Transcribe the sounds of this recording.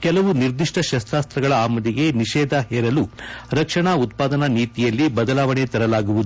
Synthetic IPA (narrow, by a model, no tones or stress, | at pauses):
kɛlɐʋuniɾd̪iʂʈɐʃɐst̪ɾaːst̪ɾɐɡɐɭɐaːmɐd̪iɡe̞niʃɛːd̪ɐɦɛːɾɐluɾɐkʂɐɳaut̪̚paːd̪ɐnɐniːt̪ijɐlːibɐd̪ɐlaːʋɐɳet̪ɐɾɐlaːɡuʋud̪u